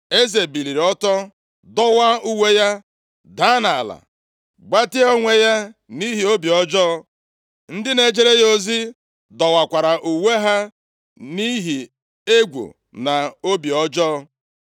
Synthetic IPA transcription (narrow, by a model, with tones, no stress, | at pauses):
e˦ze˨bi˨li˨ɾɔ˦tɔ˦ | dɔ˦wa˦u˦we˦ja˦ | da˦na˨a˨la̰˨ | ɡ͡ba˦tɪ˦o˦ŋʷe˦ja˦ni˦ɦi˨o˦bi˨ɔ˦d͡ʒɔː˦ | n̩˦dɪ˦ne˨d͡ʒe˦ɾe˦jo˦zi˦ | dɔ˨wa˨kʷa˨ɾa˨ʔu˨we˦ɦa˦ | ni˦ɦi˨ | e˦ɡʷṵ˨ | na˨o˦bi˨ɔ˦d͡ʒɔː˦